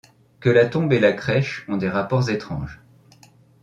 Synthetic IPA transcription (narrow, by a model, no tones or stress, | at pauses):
kəlat̪ɔ̃belakχɛʃɔ̃d̪eʁapɔʁzet̪χɑ̰̃ʒ